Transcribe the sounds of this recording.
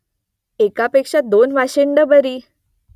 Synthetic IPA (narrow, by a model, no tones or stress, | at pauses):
ekapekʂad̪onʋaɕeɳɖəbəɾiː